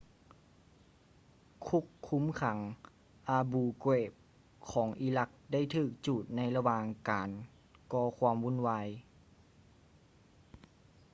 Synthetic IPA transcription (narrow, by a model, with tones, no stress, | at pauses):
kʰu˧˥˩kʰːu˧˥mkʰa˨˩˦ŋ | ʔaː˧buː˧kweː˧˩p̚ | kʰɔː˩˦ŋʔi˧˦la˧k̚da˥˩jt̪ʰɯː˧˨˩k̚t͡ɕuː˨˩t̪̚na˧˥jla˧waː˧ŋkaː˨˩n | kɔː˧kʰwaː˧mwu˧˥˨nwaː˧j